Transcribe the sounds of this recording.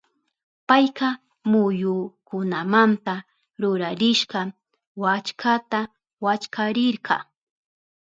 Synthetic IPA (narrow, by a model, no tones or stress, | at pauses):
pajqɑ | mʊjʊkʊnamant̪a | ɾʊɾaɾɪʃɢɑ | wat͡ʃkʰat̪a | wat͡ʃkʰaɾɪɾɢɑ̰